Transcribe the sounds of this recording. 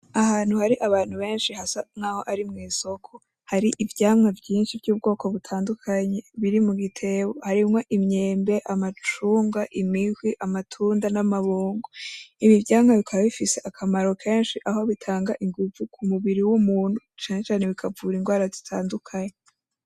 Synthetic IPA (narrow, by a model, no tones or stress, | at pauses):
ahaːn̥huhaɾiʔaβaːn̥huβe̞ːnʃihasaŋaːho̞ʔaɾimŋiːso̞kʰo | haɾiʔivjaːmŋavjiːnʃivɟuːb̚ɡo̞ːko̞βutʰaːndukʰaɲe̞βiɾimuɡitʰe̞wo̞haɾimŋo̞ʔimɲeːmbe̞ʔamat͡ʃuːŋɡaʔimihwiʔamatʰuːndanamaβuːŋɡoimivjaːmŋaβikʰaβaβifise̞ʔakʰamaɾo̞kʰe̞ːnʃiʔaɦo̞βitʰaːŋɡaʔiŋɡuvukʰumuβiɾiwumuːn̥hut͡ʃaːne̞t͡ʃaːne̞βikʰavuːɾiŋɡwaːɾazitʰaːndukʰaɲe